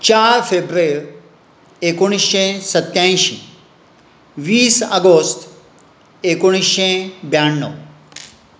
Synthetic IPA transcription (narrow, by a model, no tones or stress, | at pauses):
t͡ʃaːɾfʰeːbɾeːɾ | ekuɽ̃isʃẽsɐt̪jãːĩʃḭ | ʋiːsɐɡost̪ | ekuɽ̃isʃẽbjaːɳːo